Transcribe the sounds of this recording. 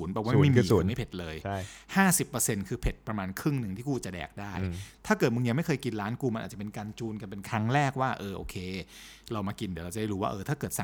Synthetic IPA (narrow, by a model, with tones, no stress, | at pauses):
u˩˦nbɔː˨˩kwaː˥˦˧ma˥˩mː˧˨˦ma˥˩jpʰe˨˩t̪̚lɤː˧jhaː˥˩si˨˩pːə˧se˧nkʰɯː˧pʰe˨˩t̪̚pɾa˧maː˧nkʰɾɯ˥˩ŋnɯ˨˩ŋt̪ʰiː˥˩kuː˧˩t͡ɕa˨˩dɛ̰ː˨˩k̚daː˥˩jt̪ʰaː˥˩kɤː˨˩t̪̚mɯ˧ŋja˧ma˥˩jkʰɤː˧jki˧nɾaː˦˥nkuː˧ma˧nʔ̚ːt͡ɕa˨pe˧nkaː˧nt͡ɕuː˧nka˧pe˧nkʰɾa˦˥ŋɾɛː˥˩k̚waː˥˩ʔɤː˧ʔo̰ː˧kʰeː˧ɾa˧wmaː˧ki˧ndi˨˦ɾa˧˩t͡ɕa˨da˥˩ɾu˦waː˥˩ʔɤː˧t̪ʰaː˥˩kɤː˨˩t̪̚sa˨˩